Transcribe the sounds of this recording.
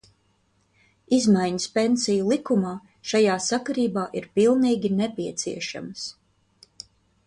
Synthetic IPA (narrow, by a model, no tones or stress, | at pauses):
izmajɲəspensijulˠikumaː | ʃajaːsakaɾiːbaːʔiɾpilˠniːɡʲinepʲiɛt̪sḭɛʃa̰mɐs